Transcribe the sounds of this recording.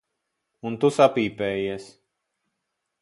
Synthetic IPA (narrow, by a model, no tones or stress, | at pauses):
unt̪usapiːpɛːjis